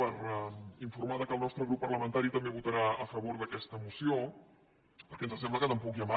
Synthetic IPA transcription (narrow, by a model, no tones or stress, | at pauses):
əɾɛiɱfuɾmaðəkəlˠnɔst̪ɾəɣɾupːərləmənt̪aɾit̪əmbeβut̪əɾaəfəβoɾðəkɛst̪əmusio | pəɾkɛnzəsɛmbləkət̪əmpɔkjəma